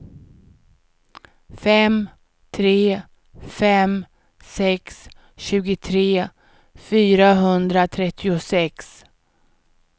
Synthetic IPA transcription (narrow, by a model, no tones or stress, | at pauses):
fɛm | t̪ʰɾeː | fɛm | sɛks | ɕʉ̟ːɡʊt̪ʰɾeː | fyːɾaɦɵnd̪ɾat̪ʰɾɛt̪ʰːɪʊsɛks